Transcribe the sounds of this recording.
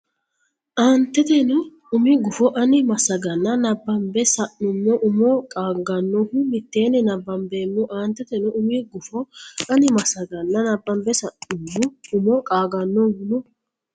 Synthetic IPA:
ʔaːnt̪ːɛt̪ɛnɔ | ʊmiɡʊfɔʔɐnɪmɐsɐɡɐnːɐnɐbːɐmbɛsɐʔʊmːɔʔʊmɔkʼaːɡɐnːɔhʊmɪt̪ːeːnɛnɐbːɐmbeːmːɔʔaːnt̪ːɛt̪ɛnɔʔʊmiɡʊfɔɐnɪmɐsɐɡɐnːɐnɐbːɐmbɛsɐʔʊmːɔʊmɔkʼaːɡɐnːɔhʊmɔ

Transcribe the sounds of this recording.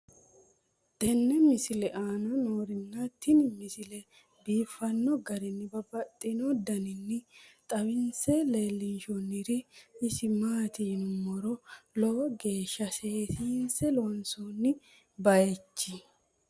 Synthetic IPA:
d̪̥ɛnːɛmɪsɪlɛʔaːnɔnoːɾɪnːɐt̪ːɪnmɪsɪlɛ | biːfːɐnːɔɡɐɾɪnːɪbɐbɐt̪ʼːɪnɔd̪ɐnɪnːɪt̪ʼɐbɪnsɛleːlːɪnʃɔnːɪɾɪɪsɪmaːt̪iːnʊmɔɾɔlɔwɡe̞ːʃːɐse̞ːt̪ʰiːnsɛlɔɐnsonːɪ | bɐjɛt͡ʃːɪ

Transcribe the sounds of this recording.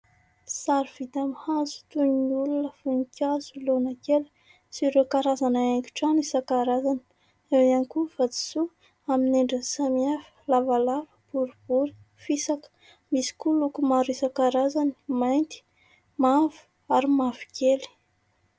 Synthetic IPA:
saɾv̥id̪amihazu̥t̪unnulunəfunikʲazulonakel | siɾokaɾazanaaŋkʲu̥ʈ͡ʂanisakaɾazani̥ | ewankufad͡zi̥su | amineɳɖ͡ʐəsamiafi̥lavalavəb̥uɾub̥uɾi̥ | fisak | misi̥kulukumaɾisakaɾazani̥majnt̪i̥ | mavu̥ | aɾimavi̥kʰeli̥

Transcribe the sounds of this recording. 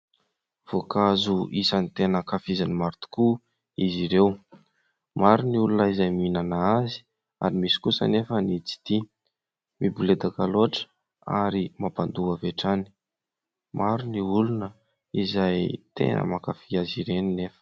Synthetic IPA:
v̥okazuʔisanit̪enəkafizanimaɾt̪u̥ku | iziɾew | maɾuniulunəizajminanaazi̥ | a̰ɾimisi̥kusə̰nefənit͡si̥t̪i | mibuled̪akaloʈ͡ʂə̥ | a̰ɾimapand̪uaveʈ͡ʂani̥ | maɾuniulunə | izajt̪ʰḛnə̰makafiaziɾeninefə̥

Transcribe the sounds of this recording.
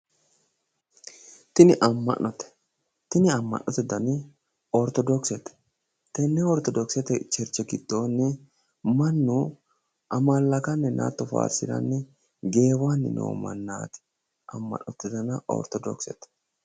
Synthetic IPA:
t̪ɪnɪʔɐmːɐ̰ʔːɔt̪ɛ̥ | t̪ɪnɪɐmːɐ̰nːɔt̪ːɪd̪ɐnɪ | ɔɾt̪ɔd̪ɔksɛt̪ɛ̥ | t̪ɛnːɛɔɾt̪ɔd̪ɔksɛt̪ɛt͡ʃɛɾt͡ʃːɛkɪt̪ːoːnːɪ | mɐnːu | ʔɐmaːlːɐkɐnːɛnʔa̰ːt̪ːɔfa̰ːsɪ̰ɾɐ̰nːɪ | ɡe̞ːwaːnːɪ̰no̰ːmɐ̰nːa̰ːt̪ɪ̥ | ʔɐmːɐ̰nːɔt̪ːɪd̪ɐnɐɔ̰ɾt̪ɔd̪ɔ̰ksɛt̪ɛ̥

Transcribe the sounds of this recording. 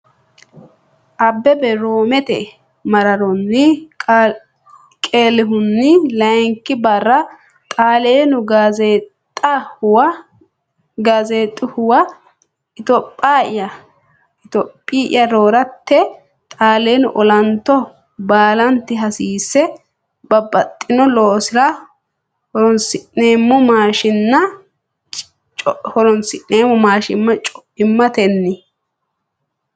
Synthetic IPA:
ʔɐbːɛbɛɾoːmɛt̪ɛ̰ | mɐɾɐɾɔnːɪ | kʼeːlɪɦʊnːɪlɐjŋkːɪbɐrːɐ | t̪ʼaːleːnʊɡazeːtʼː | ɐhʊwɐ | ɡaːzeːt̪ʼːɪhʊwɐ | ɪt̪ɔpʼːaːɪjɐ | ɪt̪ɔpʼːiːʔɪ̰jɐɾoːɾɐt̪ːɛ | t̪ʼaːleːnʊʔɔlɐnt̪ːɔ | baːlɐnt̪ːɪɦɐsiːsːɛ | bɐbːɐt̪ʼːɪnɔloːsɪɾɐ | hɔɾɔnsɪʔneːmːɔmaːʃɪnːɐ | t͡ʃ | t͡ʃʼhɔɾɔnsɪʔe̞ːmːɔmaːʃɪmːɐt͡ʃʼɔʔɪmːɐt̪ɛnːɪ

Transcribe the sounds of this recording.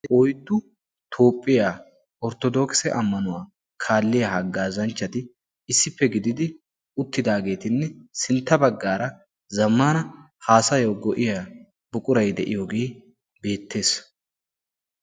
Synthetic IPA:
ɔjd̪ːʊ | t̪ʰo̞ːpʼːɪjaː | ɔɾt̪ɔd̪oːksɛ̰ʔɐmːɐnʊwaː | kʰaːlːɪjahɐɡːaːzɐnt͡ʃːɐt̪ɪ | ɪsːɪpːɛɡɪd̪ɪd̪ɪ | ʊt̪ːɪd̪aːɡe̞ːt̪ɪnːɛsɪnt̪ːɐbɐɡːaːɾɐ | zɐmːaːnɐ | haːsɐjowɡɔʔɪja | bʊkʼʊɾɐjd̪ɛʔɪjoːɡe̞ː | be̞ːt̪ːe̞ːs

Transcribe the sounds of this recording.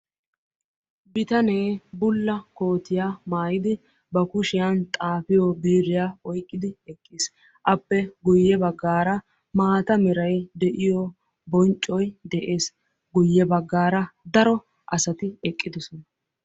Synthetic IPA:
bɪt̪ɐne̞ːbʊlːɐko̞ːt̪ɪjaːmaːjɪd̪ɪ | bɐkʊʃɪjɐnt̪ʼaːfɪjɔbiːɾɪjaːɔjkʼːɪd̪ɪɛkʼːis | ʔɐpːɛɡʊjːɛbɐɡːaːɾɐ | maːt̪ɐmɛɾɐjd̪ɛʔɪjɔ | bɔnt͡ʃʼːɔjd̪ɛʔe̞ːs | ɡʊjːɛbɐɡːaːɾɐd̪ɐɾɔ | ʔɐsɐt̪ɪɛkʼːɪd̪ʊsɔnɐ

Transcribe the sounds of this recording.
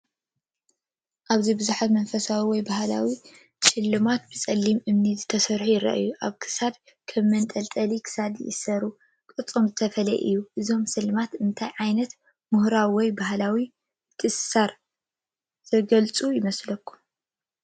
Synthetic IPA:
ʔaβzibɨzuħat̪mɐnfɐsawiwɔjbaɦla̰wi | t͡ʃʼɪlːɨmat̪̚bɨt͡sʼɐlːimʔɨmnizɨt̪ʰɐsɐɾħujɪɾɐ̰ʔjuʔaβkʰɨ̥sad̪̚ | kʰɐmːɐnt̪ʼɐlt̪ʼɐlikʰɨ̥sad̪jɪ̰ʔɨsɐɾu | kʼɨt͡sʼomzɨt̪ʰɐfɐlɐʔɨ̰jːuʔɨzo̞msɨlɨmat̪ɨnt̪ʰajʕajnɐt̪ | mʊhɾawiwɔjbahlawi | t̪ʰɨsaɾ | z̥ɐɡɐlt͡sʼujɪmɐslɐkʰːu̥

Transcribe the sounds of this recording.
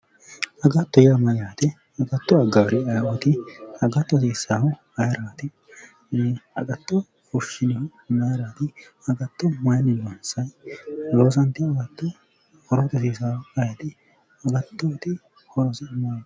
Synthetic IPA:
ɐɡɐt̪ːɔjamɐjaːt̪ɪ | ɐɡɐt̪ːɔɐɡaːɾɪɐjwɔt̪ɪɐɡɐt̪ːɔsisaːhʊ | ɐjɾaːt̪ɪ | ɐ̰ɡɐt̪ːɔ | kʊʃɪnɪhʊmɐjɾaːt̪ɪ | ɐɡɐt̪ːɔmɐjnɪnɐnsɐjloːs̬ɐnt̪ːɪɐɡɐt̪ːɔ | hɔɾɔt̪ɔsiːsaːɐjɐt̪ɪ | ɐɡɐt̪ːɔt̪ɪ | hɔɾɔsɛmɐja

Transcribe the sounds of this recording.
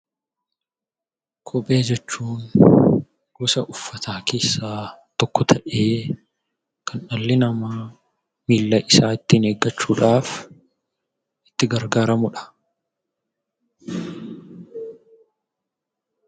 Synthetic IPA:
kʰɔpʼe̞ːd͡ʒɛt͡ʃːuːn | ɡ̥ʊsɐʔʊfːɐt̪ʰaːkʰe̞ːsːaːt̪ɔkːɔt̪ʰɐʔe̞ː | kʰɐnɐlːɪnɐmaː | miːlːɐʔɪsaːɪt̪ːɪneːɡːɐt͡ʃːuːᶑaːf | ʔɪ̥t̪ːɪɡɐɾɡaːɾɐmʊᶑɐ̥

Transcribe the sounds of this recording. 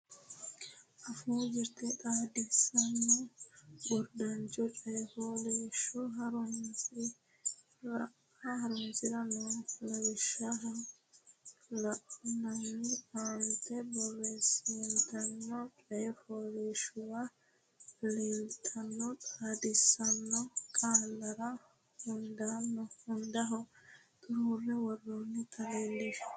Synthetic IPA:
ʔɐfuːd͡ʒɪɾt̪ɛᶑ̪aːd̪ɪsɐnːɔbɔɾd̪ɐnt͡ʃɔt͡ʃʼɐjɛhoːleːʃɔɦɐɾʊnsɪ | ɾɐʔ | ahɐɾʊnsɪɾɐnɔlɐwɪʃaɦɐn | lɐʔɔnɐmːɪaːnt̪ɛbɔrːeːsint̪ɐnːɔkʼɛɛfoːɾeːʃʊwa | leːlt̪ʰɐnːɔt̪ʼaːd̪ɪsɐnːɔkʼaːlːɐɾɐ | hʊnd̪aːnːɔʊnd̪ɐɦɔ | d̪uːrːɛwɔrːonːɪt̪ʰɐleːlːeːʃ

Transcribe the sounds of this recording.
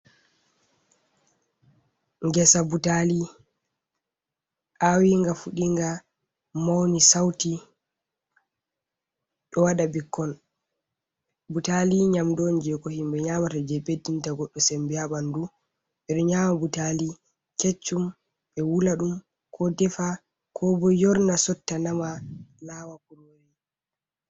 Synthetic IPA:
ŋɡɛsabutali | ʔawiŋɡafuɗiŋɡa | mawnisawti | ɗɔwaɗabikːɔn | butaliɲamdond͡ʒɛkɔhimɓɛɲamatad͡ʒɛbedintaɡɔɗːɔsembiaɓandu | ɓɛɗɔɲamabutali | ket͡ʃːum | ɓɛwulaɗum | kʰɔdɛfa | kʰɔbɔjɔɾnasɔtːanamanawakuɾoɾi

